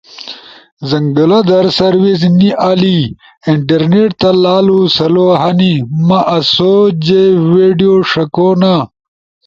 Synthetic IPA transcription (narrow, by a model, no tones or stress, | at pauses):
zɐŋɡɐlɐd̪ɐɾsɐɾwis̬niʔaːli | iɳʈɐɾneʈ̚t̪ɐlaːlusɐloɦɐnimɐʔɐsoːd͡ʑeweːɖijoʂɐkoːna